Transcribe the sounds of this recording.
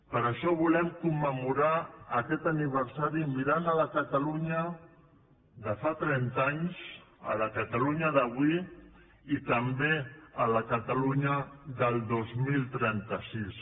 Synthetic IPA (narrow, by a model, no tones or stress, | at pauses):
pəɾəʃɔβulɛmkumːəmuɾaːkɛt̪aniβ̞əɾsaɾimiɾanələkət̪aluɲə | ðəfat̪ɾɛnt̪aɲs | ə̰ləkət̪aluɲəðəβwi | it̪əmbeələkət̪aluɲəðəlˠd̪ozmilˠt̪ɾɛnt̪əsis